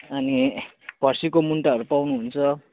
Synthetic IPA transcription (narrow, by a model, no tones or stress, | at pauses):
ʌni | b̥ʱʌrsikomuɳʈaɦʌɾupawnuɦunt͡sʰʌ